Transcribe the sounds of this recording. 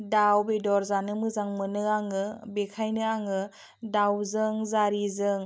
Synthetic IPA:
dawbedɔɾzanɯmɯzaŋmɯnɯaŋɯbekʰajnɯaŋɯ | dawzɯŋzaɾizɯŋ

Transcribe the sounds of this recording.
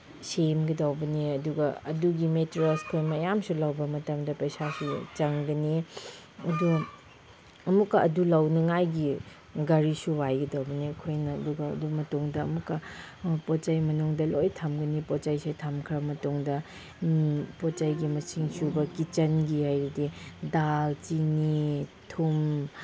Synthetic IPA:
semɡidawbɐniɐduɡɐɐduɡimetɾoskʰojmɐjamsulawbɐmɐtɐmdɐpɐjsasut͡ʃɐŋɡɐni | ɐdu | ɐmukːɐɐdulawnɐŋajɡi | ɡɐɾisuwajɡidawbɐniɐkʰojnɐːduɡɐɐ̰dumɐtoŋdɐ̰ːmukːɐ | pot͡ʃajmɐnuŋdɐlojtʰamɡɐnipɔt͡ʃajsetʰamkʰɾɐmɐtoŋdɐ | pot͡ʃajɡimɐsiŋsubɐkit͡ʃɐnɡihajɾididaltinitʰum

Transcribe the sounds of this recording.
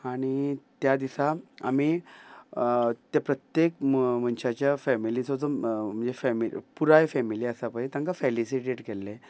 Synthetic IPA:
aɽ̃it̪jad̪isaa̰miː | t̪japɾət̪jekm̤ənɕat͡ɕjafɛmilisod͡z̪om̤əɳd͡zefɛmipuɾajfɛmiliasapait̪ãŋkafelisiʈeʈkelːe

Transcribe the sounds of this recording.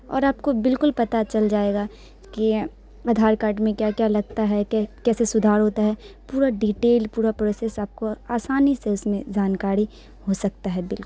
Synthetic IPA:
ɔ̰ːɾaːpkobɪlkʊlpɐt̪at͡ʃɐld͡ʒaːeːɡa | ki | aːd̪ʱaːɾkaːɾʈmẽkjaːkjaːlɐɡt̪aɦɛkːkɛːsesʊd̪ʱaːɾɦoːt̪aɦɛpuːɾaɖiʈeːlpuːɾapɾoːsesaːp̚koaːsaːniseʊsmẽd͡ʒaːnkaːɾi | hosɐk̚t̪aɦɛbɪlkʊl

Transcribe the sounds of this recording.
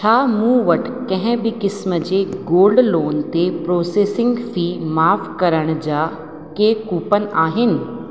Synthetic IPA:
t͡ɕʰaːmũːʋɐʈʰkɐ̃ɦɪ̃bɪkɪsməd͡ʑeːɡoːlɖloːnt̪epɾoːseːsɪ̃ŋɡfiːmaːfkɐɾəɽ̃d͡ʑaː | keːkuːpən̆ʔaːɦɪnɪ̆

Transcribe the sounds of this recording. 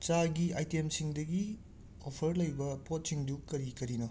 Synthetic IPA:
t͡ʃaɡiajtemsiŋdɐɡi | opʰɐɾlɐjbɐpot̚siŋdukɐɾikɐɾino

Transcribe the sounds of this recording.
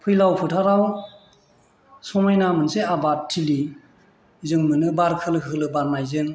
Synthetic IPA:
pʰɯjlawpʰɯtʰaɾaw | sɔmajnamɯnseabatʰːili | zɯŋmɯnɯbaɾkʰɯlɯkɯlɯbaɾmajzɯŋ

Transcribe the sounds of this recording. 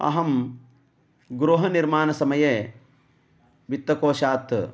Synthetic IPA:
ɐ̰ɦɐm | ɡɾoːɦɐniɾmaːnɐsɐmɐjeː | ʋit̪ːɐkoːʃaːt̪

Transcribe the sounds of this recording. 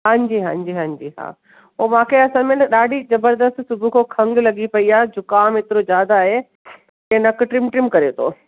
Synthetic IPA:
ɦãːɲd͡ʑiːɦãːɲd͡ʑiɦãːɲd͡ʑiːɦa̰ː | oːmãːkʰeɐsãːmẽnɗaːɖʱizɐbəɾd̪əst̪sʊbʱukʰokʰɐ̃ŋɡlɐɡipɐiaːd͡ʑokaːmɪt̪ɪɾozjaːd̪aːɦe | kenɐkʈɾɪmʈɾɪmkɐɾet̪ʰo̰ː

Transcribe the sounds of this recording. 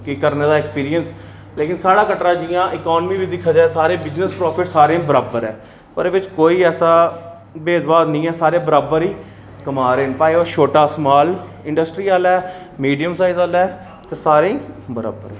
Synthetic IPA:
kikəɾneːd̪aːɛkspiːɾiəns | leːkɪnsaːɽaːkəʈɾãːd͡ʒijãːʔɪkɔːnmiːʋɪt͡ʃd̪ɪkʰːaːd͡ʒaːesaːɾeːbɪznəspɾɔːpʰɪʈsaːɾẽːbəɾaːbəɾɛː | pəɾeːʋɪt͡ʃkoːiːɛːsaː | beːd̪baːd̪nĩːɛːsaːɾeːbəɾaːbəɾiː | kəmaːɾeːnpaːeoːʃoːʈaːsmaːl | ɪ̃ɳɖəsʈɾiːaːlɛː | miːɖijəmsaːizaːlɛː | t̪esaːɾẽːbəɾa̰ːbə̰ɾɛ

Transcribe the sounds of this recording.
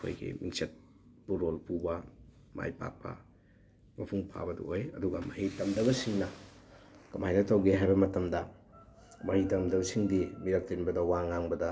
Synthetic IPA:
kʰo̰jɡḭmiŋset̚ | buɾolpubɐ | ma̰jpa̰k̚pɐ̰ | mɐpʰuŋpʰa̰bɐdṵʔojɐduɡɐmɐhitɐmdɐɡɐsiŋnɐ | kɐmajnɐtowɡeɦajbɐmɐtɐmdɐ | mɐɾitɐmdɐbsiŋdimiɾɐk̚tinbɐdɐwaŋːaŋbɐdɐ

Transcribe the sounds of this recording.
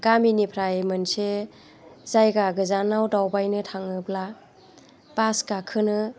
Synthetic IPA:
ɡ̥aminipʰɾajmɯnse | zajɡaɡɯzanawdawbajnɯtʰaŋɯpla | paskakʰɯnɯ

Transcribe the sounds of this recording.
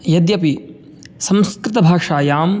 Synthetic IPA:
jɐd̪jɐpi | sɐ̃mskɾɪt̪ɐbʱaːʂaːjaːm

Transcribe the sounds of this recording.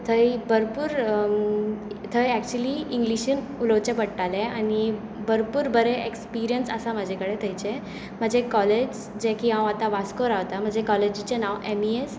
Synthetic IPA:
t̪ʰəjbəɾpuːɾ | t̪ʰəjæk̚t͡ɕuəliːiŋɡliɕin | uləwt͡ɕepəɽʈalẽani | bəɾpuːɾbəɾɛekspiɾijənsəsaməd͡ʑʱekəɽet̪ʰəjt͡ɕe | m̤əd͡ʑekɔled͡ʑ | d͡ʑɛ̃kiɦãwat̪aʋaskoɾaʋt̪am̤əd͡zʱekɔled͡ʑit͡ɕenawemies

